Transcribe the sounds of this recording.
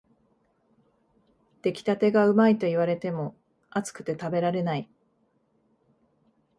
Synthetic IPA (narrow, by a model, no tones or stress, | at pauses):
d̪̥e̞kʲi̥t̪at̪e̞ɡaɯ̟mait̪o̞iβ̞aɾe̞t̪e̞mo̞ | at͡sɨ̥kɯ̟̥t̪e̞t̪abe̞ɾaɾe̞nai